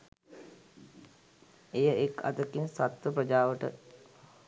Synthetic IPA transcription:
ejəeka̰t̪əkinsat̪ʋəpɾəd͡ʒaːʋəʈə̰

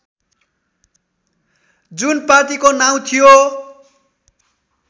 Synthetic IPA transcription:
d͡zunpart̪ikonaw̃t̪ʰijo

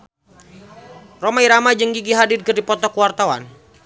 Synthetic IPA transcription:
romaiɾamad͡ʒəŋɡiɡiɦadɪd̚kɨrdipɔt̪ɔkəwart̪awa̰n

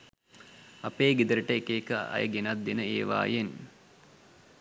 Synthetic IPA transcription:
apeːɡid̪əɾəʈəekeːkəa̰jəɡenat̪̚d̪enəeːʋa̰ːjen

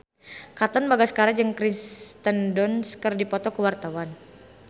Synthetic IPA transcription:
kat̪ɔnbaɡasə̥kaɾad͡ʒəŋkɾist̪əndɔnskərdipɔt̪ɔkəwart̪awan

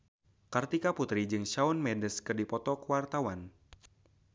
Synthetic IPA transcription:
kərt̪ikaput̪ɾid͡ʒɨŋʃaunmɛndəskɨrdipɔt̪ɔkəwart̪awan

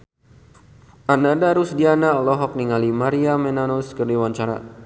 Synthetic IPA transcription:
ʔanadaɾusdianalɔɦɔk̚niŋalimaɾiamɛnanuskərdiwaɲt͡ʃaɾa̰

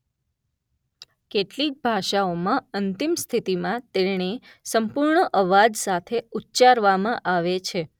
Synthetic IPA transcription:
keʈlik̚bʱaʃaomãənt̪imst̪ʰit̪imãt̪eɳe | səmpuɾɳəʔəʋad͡ʒsat̪ʰeutːt͡ʃaɾʋamãʔaʋet͡ʃʰe

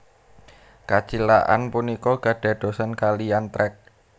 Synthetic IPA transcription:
kat͡ʃilaʔa̰npunikɔɡ̥ä̤ɖ̥a̤d̪̥o̤sankalijant̪ɾɛk̚

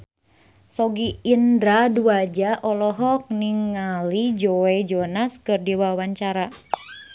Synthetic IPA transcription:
sɔɡiːndɾaduad͡ʒaʔɔlɔɦɔk̚niŋːalid͡ʒoɛd͡ʒɔnaskɨrdiwawaɲt͡ʃaɾa

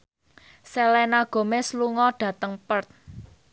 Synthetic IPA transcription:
sɛlɛnaɡ̥o̤mesluŋɔɖ̥ä̤t̪əŋpərt̪̚

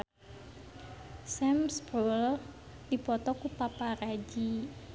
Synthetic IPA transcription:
sɛmsbrol | dipɔt̪ɔkupapaɾad͡ʒi

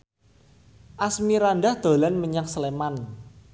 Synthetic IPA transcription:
ʔasmiɾanɖahd̪̥o̤lanməɲaksəleman

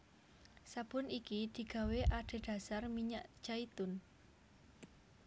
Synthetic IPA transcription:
sab̥ʊ̤nikid̪̥i̤ɡ̥a̤weʔaɖ̥e̤ɖ̪̥a̤sarmiɲaʔd͡ʒ̥ait̪ʊn

